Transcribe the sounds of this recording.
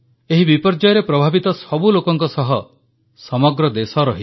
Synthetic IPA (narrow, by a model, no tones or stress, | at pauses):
eɦibipɔɾd͡ʒajɔɾepɾɔbʱabit̪ɔsɔbulokɔŋkɔsɔɦɔ | sɔmɔɡɾɔd̪esɔɾɔɦi